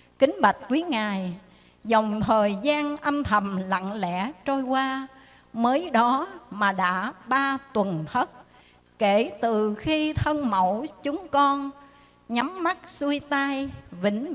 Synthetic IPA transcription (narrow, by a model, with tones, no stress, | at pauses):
kï˨˦ŋ̟ɓa˨˩jk̚kwi˨˦ŋaː˨˩j | zɔ˨˩wŋ͡mt̪ʰəː˨˩jzaː˧nʔə˧nt̪ʰə˨˩mla̰˧˨ŋlɛ̰˧˥t͡ɕo˧jkwaː˧ | məː˨˦jɗɔ˨˦maː˨˩ɗa̰ː˧˥ɓaː˧t̪wə˨˩nt̪ʰə˦˥t̚ | ke˧˩t̪ɨ˨˩xi˧t̪ʰə˧nmə̰˧˩wt͡ɕʊ˨˦ŋ͡mkɔ˧n | ɲa˨˦mːa˦˥t̚su˧jt̪a˧jvï˧˩ŋ̟